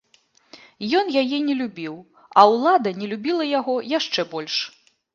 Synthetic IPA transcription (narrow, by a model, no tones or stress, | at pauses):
jɔnjajɛnʲɛlʲubʲiw | ɐwlˠad̪ɐnʲɛlʲubʲilˠɐjaɣɔjaʂt͡ʂɛbɔlʲʂ